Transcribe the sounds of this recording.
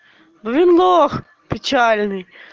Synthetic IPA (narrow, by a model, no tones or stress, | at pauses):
bɔʋʲinlˠox | pɪt͡ʃalʲnɪj